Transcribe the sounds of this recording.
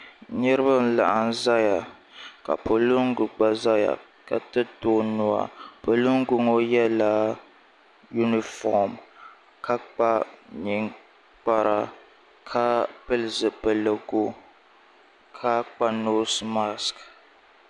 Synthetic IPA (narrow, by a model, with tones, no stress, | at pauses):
ɲɛ˦ɾɨ˦bɨ˦n̩˦la̰˨ʔa˨n̩˦za˦ja˨ | ka̰˨po˨lu˦ŋ˦ɡʊ˨ɡ͡ba˨za˦ja̰˨ | ka˨tɨ˦toː˦nʊ˦a̰˨po˨lu˦ŋ˦ɡu˨ŋo˦jɛ˦la˦ | ju˦ni˨fɔ̰˨m | kʰa˦k͡pa˦ɲi˨ŋ | k͡pa˦ɾa˨ | kʰa˦pɨ˦lzɨ˨pɛ˨lə˨ɡo˦ | kʰa˦k͡pa˦no˦sma˦sk